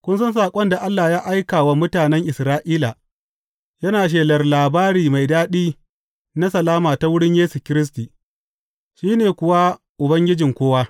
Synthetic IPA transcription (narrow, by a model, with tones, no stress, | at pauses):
kʷʊ˦ns̬ʊ˦nsaː˨kʷʼɔ˦nda˨ʔa˦lːa˨jaː˦ʔa˦jkaː˨wa˨mʊ˦taː˨nɛ˦ŋʔɪ˨sɾaː˦ʔiː˦la˨ | jɐ˦naː˨ʃ̬eː˨lɐ˨rlaː˨baː˦ɽiː˨ma˨jdaː˦ɗiː˦ | na˦sɐ˨laː˦maː˨ta˨˦wʊ˦ɽɪ˦ɲjeː˦su˨kʲɪ˦ɾɪ˦s̬tiː˨ | ʃiː˦neː˨kʷʊ˨wa˦ | ʔʊ˨bɐ˦ŋɡʲɪ˦d͡ʒɪ˨ŋkʷoː˦waː˦